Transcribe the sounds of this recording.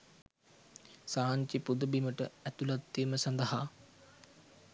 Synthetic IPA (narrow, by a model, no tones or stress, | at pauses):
saːɲt͡ʃipud̪əbiməʈəæt̪ulat̪ːijməsɐnd̪əɦa